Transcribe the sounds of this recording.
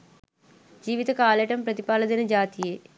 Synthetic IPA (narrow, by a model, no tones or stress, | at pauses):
d͡ʒiːʋit̪ɐkaːleʈɐmpɾɐt̪ipaːlɐd̪inɐd͡ʒaːt̪ijeː